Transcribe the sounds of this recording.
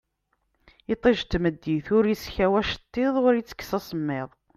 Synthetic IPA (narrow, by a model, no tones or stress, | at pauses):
it̪ˤːeʒt̪ːməd̪ːiθʊɾjisçæwæʃə̥t̪ˤːɪðˤʁʊɾjit͡sːə̥kːsɑsəmːɪðˤ